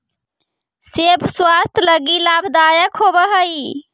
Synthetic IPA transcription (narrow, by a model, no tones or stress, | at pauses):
sepʰswast̪ʰləɡilabʱd̪ajəkʰobəɦəj